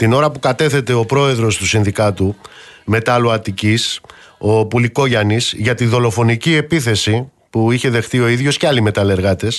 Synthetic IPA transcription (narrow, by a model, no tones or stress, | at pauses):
t̪ino̞ɾɐpukɐt̪e̞θe̞t̪e̞o̞pɾo̞e̞ðɾo̞st̪usinðikɐt̪u | me̞t̪ɐluɐt̪icis | o̞puliko̞ʝɐnisʝɐt̪iðo̞lo̞fo̞nicie̞piθe̞si | puiçe̞ðe̞xt̪io̞iðʝo̞sceɐlime̞t̪ɐle̞ɾɣɐt̪e̞s